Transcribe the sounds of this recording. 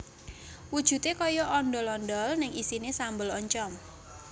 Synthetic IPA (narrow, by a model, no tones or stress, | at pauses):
wud̥ʒ̥ṳt̪ekɔjɔʔɔnɖɔlɔndɔlnɪŋisinesambəlɔɲt͡ʃɔŋ